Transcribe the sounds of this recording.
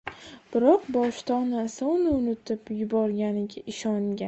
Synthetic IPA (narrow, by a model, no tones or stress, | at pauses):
b̥ɪɾɒqbɒʃt̪ʰɒnasanɪʊnɪt̪ʰɪpjʊbɒɾɡʲanɪɡʲaʔɪʃɒŋɡʲan